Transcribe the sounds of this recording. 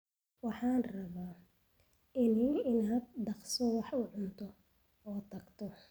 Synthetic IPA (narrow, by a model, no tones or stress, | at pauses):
wɑħɑːnrɐβaː | ɪnɪɪnaːd̪̚dɑqsɔwɑħʊʕʊnt̪ʰɔ | ɔːt̪ʰɐɡt̪ʰɔ